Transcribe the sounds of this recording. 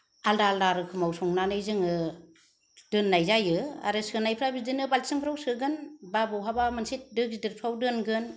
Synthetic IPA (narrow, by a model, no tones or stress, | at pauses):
aldaldaɾɯkʰɯmawsɔŋnanɯjzɯŋɯ | d̥ɯnːajzajɯa̰ɾɯsɯnajpʰɾabidɯnɯbalsɯŋpʰɾawsɯɡɯnbabɯwɦabamɯnsit̚dɯk̚zidɯɾpʰawdɯnɡɯn